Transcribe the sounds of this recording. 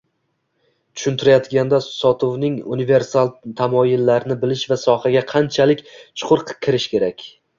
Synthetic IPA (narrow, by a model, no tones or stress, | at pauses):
t̪ʰʊ̥ʃʊnt̪ʰɪɾajɒt̪ɡʲand̪asɒt̪ʰovnɪŋunive̞ɾsalˠt̪ʰamɒjɪlːaɾɪnɪbɪlɪʃvasɒhaɡʲaqʰɑnt͡ʃʰalɪkʲt͡ʃʰʊ̥qʰʊɾqkʲʰːɪɾɪʃkʲe̞ɾakʲ